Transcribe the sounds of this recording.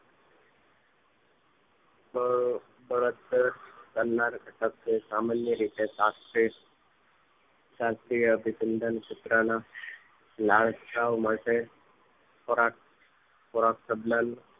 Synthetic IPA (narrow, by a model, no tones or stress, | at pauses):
məɡ | bəɾət̪ːəkəlːaɾkəʈək̚ːesamanjəɾit̪esaɾti | saɾt̪iəbʱisənd̪ənsit̪ɾana | laɭsʈaʋmaʈʰe | pɔɾak | fɔɾaksəblan